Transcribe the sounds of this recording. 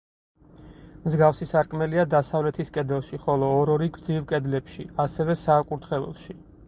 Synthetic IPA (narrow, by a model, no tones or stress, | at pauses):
mzɡafsisaɾkʼmɛliad̪asavlɛt̪ʰiskʼɛd̪ɛlˠʃiχɔlˠɔːɾɔɾiɡɾd̪zivkʼɛd̪lɛpʃiasɛvɛsaːkʼuɾt̪ʰχɛlˠɔ̰ʃi